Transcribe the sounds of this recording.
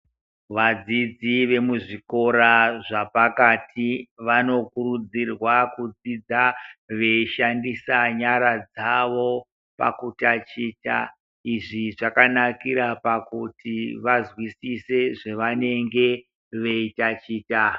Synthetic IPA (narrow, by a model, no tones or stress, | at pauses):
ʋad͡zid͡ziʋe̞muʐiko̞ɾaʐapakatʰiʋano̞kuɾud͡zirwakud͡zid͡zaʋe̞ʃandisaɲaɾad͡zaʋo̞ | pa̰kutat͡ʃiːta̰ | iʐiʐakanakiɾapakutiʋazwisise̞ʐeʋane̞ŋɡe̞ | ʋe̞itat͡ʃiːta